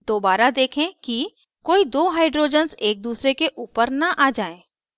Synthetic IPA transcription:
d̪̥oːbaːɾad̪eːkʰẽki | koːid̪oːɦaːɪɖɾoːd͡ʒənzeːk̚d̪uːsɾekeʔuːpəɾnɐʔaːd͡ʒaːẽː

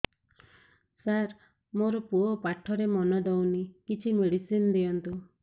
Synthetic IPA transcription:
saɾ | moɾɔpuopaʈʰɔɾemɔnɔd̪ɔwnikit͡ʃʰimeɽisind̪ijɔnt̪u

